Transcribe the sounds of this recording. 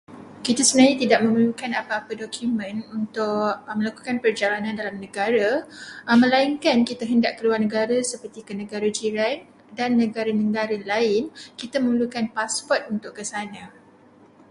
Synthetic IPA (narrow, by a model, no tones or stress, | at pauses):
kit̪asənaɲãt̪idaʔ̚mə̃məlukanapaːpadokumə̃nunt̪ʊʔmə̃laku̥kanpərd͡ʒalanãndalamnə̃ɡaɾa | mə̃laiŋkankit̪aɦəndaʔkəluarnəɡaɾasəpərt̪ikənə̃ɡaɾad͡ʒiɾan | danːə̃ɡaɾanə̃ɡaɾalaɪnkit̪aməməlukanpaspɔrt̪̚unt̪ʊʔkəsanã